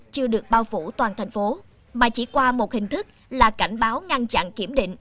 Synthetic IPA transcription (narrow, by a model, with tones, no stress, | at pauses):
t͡ɕɨ˧əɗɨ˨˩ək̚ɓaː˧wfṵ˧˩t̪waː˨˩nt̪ʰɛ˨˩jŋ̟fo˨˦ | maː˨˩t͡ɕḭ˧˩kwaː˧mo˨˩t̚hï˨˩ŋ̟t̪ʰɨ˦˥k̚laː˨˩ka˧˩jŋ̟ɓaː˨˦wŋa˧nt͡ɕa̰˧˨nki˧˩əmɗḭ˧˨ŋ̟